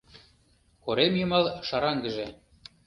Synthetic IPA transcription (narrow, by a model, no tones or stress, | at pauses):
koɾemjəmɑlʃɑɾɑŋɡə̆ʒĕ